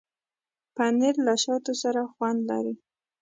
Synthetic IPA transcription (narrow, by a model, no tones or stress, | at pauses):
panɪɾlaʃɑt̪osaɾaxwand̪la̰ɾi